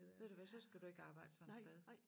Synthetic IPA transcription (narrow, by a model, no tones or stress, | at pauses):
ʋe̝̰d̥uʋæsɒ̽sɡ̥æd̥ue̝ɡ̥əɑ̈ːb̥ɑ̈ɪ̰d̥əsɒ̽nsd̥eð̞ˠ